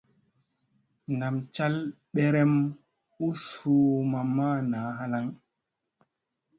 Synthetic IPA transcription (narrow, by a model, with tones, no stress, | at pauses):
na˨mt͡ʃa˦l | ɓɛ˦ɾɛ˦m | u˦suː˨˦ma˨ma˦naː˨˦ɦa˦la˦ŋ